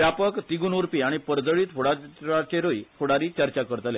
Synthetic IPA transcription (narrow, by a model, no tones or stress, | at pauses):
japəkt̪iɡuːnuɾpiːaɽ̃ipəɾd͡zəɭiːt̪foɽaat͡ɕeɾoifoɽaɾiːt͡ɕəɾt͡ɕakəɾt̪le